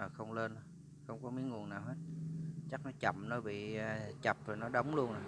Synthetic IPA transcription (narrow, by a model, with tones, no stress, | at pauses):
ʔəː˨˩xə˧wŋ͡mleː˧nː˨˩ | xə˧wŋ͡mkɔ˨˦mi˨˦ŋu˨˩ənaː˨˩whe˦˥t̚t͡ɕa˦˥k̚nɔ˨˦t͡ɕə̰˨˩˨mnɔ˨˦ɓḭ˧˨t͡ɕə˨˩p̚vəː˨˩nɔ˨˦ɗə˨˦wŋ͡mlu˧ənə˨˩